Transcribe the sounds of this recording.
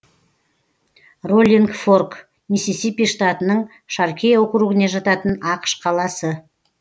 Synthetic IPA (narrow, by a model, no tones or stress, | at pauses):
rolʲiŋɡfork | nisisipiʃt̪ɑt̪ənəɴ | ʃɑɾkʲejwoqəɾuʁəneʒɑt̪ɑt̪ənɑqə̥ʃqʰɑlˠɑsə